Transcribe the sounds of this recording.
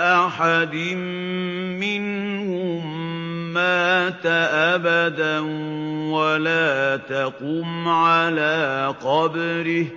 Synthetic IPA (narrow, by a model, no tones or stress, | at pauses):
ʔaħad̪ɪm | mɪn | hʊʊmː | aːt̪aʔabad̪anwalaːt̪aquːmʕalaːqɑbɾɪh